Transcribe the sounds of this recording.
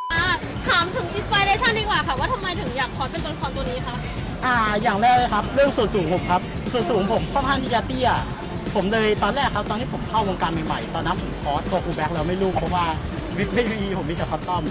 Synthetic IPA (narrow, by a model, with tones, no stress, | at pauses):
ʔaː˧˩ | k̪ʰaː˩˦mt̪ʰɯ˨˩˦ŋʔi˧spaː˧jɾeː˧t͡ɕʰa˥˩ndiː˧˩kwaː˨˩kʰa˧˩waː˥˩t̪ʰa˧mːa˧jt̪ʰɯ˨˩˦ŋjaː˨˩k̚ʰɔː˦˥pe˧t̪u˧nkʰɔː˨˦nt̪u˧niː˦˥kʰa˦˥ʔ | ʔaː˧˩jaː˨˩ŋlɛː˦˥˩wlɤː˧˩jkʰa˦˥p̚lɯ˥˩əŋsu˨˩ənsuː˩˦ŋpʰo˩˦mkʰa˦˥p̚ | su˨˩ənsuː˩˦ŋpʰo˨˩˦mkʰɔː˥˩ŋkʰaː˥˩ŋt̪i˧˥t͡ɕaː˧t̪iː˥˩ʔa˨˩ | pʰo˨˩˦mlɤː˧jt̪ɔː˧nlɛː˥˩kʰa˦˥p̚t̪ɔː˧ŋnʰiː˦˥pʰo˩˦mkʰa˥˩woː˧ŋkaː˧nma˨˩jma˨˩jt̪ɔː˧˩nːa˦˥pʰːo˨˩˦mkʰɔː˦˥t̪̚ko˧kuː˧bɛː˦˥k̚lɛː˧wma˥˩jɾuː˥˩pʰɔ˦˥waː˥˩ | wi˦˥k̚wi˥˧˥wiː˧˩pʰo˩˦mːi˧˩tɛː˨˩kʰɔː˦˥t̪ɔ˥˩m